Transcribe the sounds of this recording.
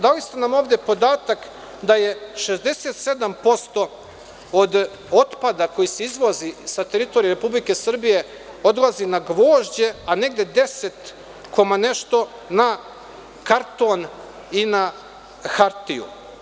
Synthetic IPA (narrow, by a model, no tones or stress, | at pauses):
d̪alist̪enamo̞ːvd̪e̞po̞d̪aːt̪ak | d̪aje̞ʃezd̪ese̞t̪se̞d̪ampo̞st̪o̞ | od̪ | ot̪pad̪ako̞jise̞izʋozisat̪eɾit̪oɾijɾepublike̞sr̩bije̞ | o̞d̪lˠazinaɡʋo̞ːʒd͡ʑe̞ane̞ɡd̪e̞d̪e̞set̪ | kʰo̞mane̞ʃt̪o̞ | na | kaɾt̪o̞n | ina | xaɾt̪ijṵ